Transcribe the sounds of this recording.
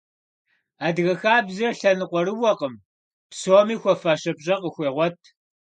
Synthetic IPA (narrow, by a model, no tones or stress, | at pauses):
aːdɣɐxaːbzɐrɬɐnɨqʷɔɾɨwɐqəm | psoːmiːxʷɔfaʃɐpɕʼɐqəxʷeːʁʷɔtʰ